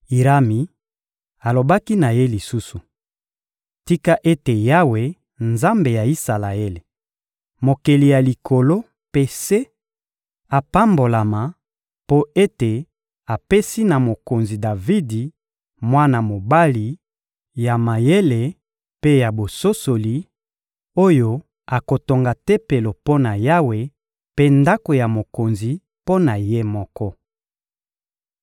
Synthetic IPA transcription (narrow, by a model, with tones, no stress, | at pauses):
i˨ʁa˦mi˨ | a˨lo˨ba˦ki˦na˨je˦li˨su˦su˨ | ti˦ka˦ʔe˦te˨ja˦we˨ | nza˦mbe˨ja˨i˦sa˨la˨e˦le˨ | mo˨ke˨li˨ja˨li˨kʰo˨lo˦ | pe˨se˦ | a˨pa˦mbo˨la˨ma˨ | po˦e˦te˨ | a˨pe˦si˦na˨mo˨ko˨nzi˨da˨vi˦di˨ | mwa˦na˨mo˨ba˦li˨ | ja˨ma˨je˦le˨ | pe˦ja˨bo˨so˦so˨li˨ | o˦jo˦ | a˨ko˨to˨ŋɡa˨te˦pe˨lo˨po˦na˨ja˦we˨ | pe˦nda˦ko˨ja˨mo˨ko˨nzi˨ | po˦na˨je˦mɔ˦kɔ˦